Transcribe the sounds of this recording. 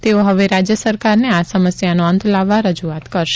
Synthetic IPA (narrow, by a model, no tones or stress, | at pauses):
t̪eoɦəʋeɾad͡ʒjəsəɾkaɾneasəməsjanoə̃nt̪ʰlaʋːaɾəd͡ʒuat̪kəɾʃe̥